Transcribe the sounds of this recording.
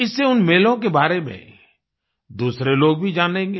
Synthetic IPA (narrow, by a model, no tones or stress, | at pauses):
ɪsːeʊnmeːlõkebaːɾemḛ̃ | d̪uːsɾeloːɡ̚bʱid͡ʒaːnẽːŋɡeː